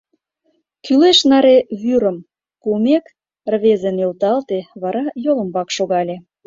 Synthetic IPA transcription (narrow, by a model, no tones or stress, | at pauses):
kyleʃnɑɾeβyɾə̆m | kumek | rβezenilt̪ɑlt̪eβɑɾɑjoləmbɑkʃoɣɑlʲe